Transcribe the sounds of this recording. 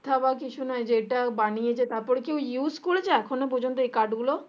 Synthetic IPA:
t̪ʰabakit͡ʃʰunɔed͡ʒeʈabaniet͡ʃʰet̪apɔɽkiujuːskult͡ʃeɛkʰonẽbʱud͡ʒʱɔnt̪ekaʈɡulo

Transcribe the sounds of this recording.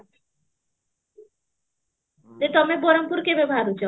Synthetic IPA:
d̪et̪ɔmeboɾompuɾkebeboɦaɾut͡ɕʰɔ

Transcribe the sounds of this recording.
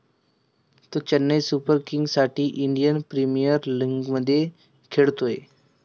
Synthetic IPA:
t̪ot͡ɕənːəjsupəɾkiŋɡsaʈiːʔiɳɖijənpɾimijəɾliŋɡməd̪ʱːje | kʰeɭt̪oḛ

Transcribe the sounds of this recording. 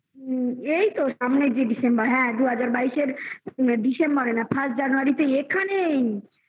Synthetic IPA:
ejt̪osamned͡ʒeɖisembəɾɦɛ̃d̪uɦəd͡ʒaɾbaiseɾɖisembəɾenapʰãsd͡ʒanuaɾit̪eekʰːane

